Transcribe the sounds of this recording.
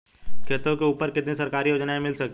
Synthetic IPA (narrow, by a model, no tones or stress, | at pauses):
kʰeːt̪õkeuːpəɾkɪt̪nisɐɾkaːɾijoːd͡ʒnaẽmɪlsɐk̪